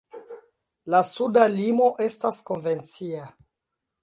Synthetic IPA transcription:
lasudalimo̞ʔe̞stasko̞nve̞nt͡sia

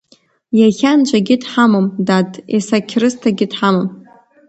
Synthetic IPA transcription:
jaχʲant͡ʃʷʰʼaɡʲɪdħamomdadʼḛsakʲʰrɨstʰaɡʲɪdħamom

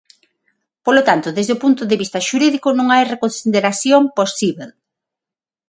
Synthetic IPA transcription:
polot̪ant̪ʊðezðeopunt̪oðeβist̪ɐʃuɾiðikʊnõŋajrekonsiðeɾasθjomposiβel

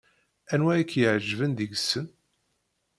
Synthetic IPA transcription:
ænwæjikʰːjəʕʒvənd̪əɡsːən

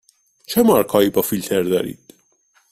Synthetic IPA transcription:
t͡ʃʰemɒɾkʰɒːiːbɒːfilt̪ʰeɾd̪ɒ̰ːɾḭːd̪̥

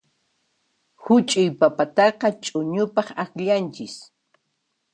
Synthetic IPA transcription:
hʊt͡ʃʼʊjpapat̪ɑqɑt͡ʃʼʊɲʊpɑχaxʎant͡ʃɪs

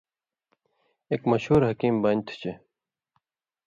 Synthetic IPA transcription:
eːkmɐɕhuːɾɦɐkiːmbɐnt̪ʰt͡ɕe

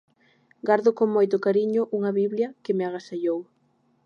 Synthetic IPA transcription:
ɡaɾðʊkoŋmojt̪ʊkaɾiɲʊʔuŋɐβiβljɐkɪmeaɣasaʎow

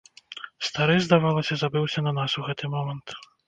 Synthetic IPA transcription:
st̪aɾɨjzd̪avalˠɐsʲɐzabɨwsʲɐnɐnasuɣɛt̪ɨmɔmɐnt̪

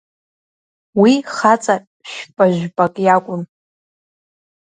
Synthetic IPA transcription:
wiχat͡sʼa | ʃᶣpʼaʒᶣʷpʼakʼjakʷʼʊn

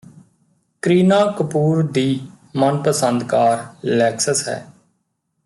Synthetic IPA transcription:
kɾiːnaːkəpuːɾd̪iː | mənpəsə̃nd̪kaːɾlɛːksəsɦɛ̰ː

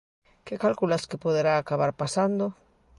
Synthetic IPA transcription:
kekalkulaskepoðeɾaːkaβ̞aɾpasand̪o

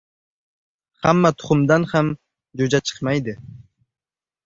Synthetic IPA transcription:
ha̰mːat̪ʰʊ̥χʊmd̪ɑnham | d͡ʒod͡ʒat͡ʃʰə̥qmɑjd̪ɪ

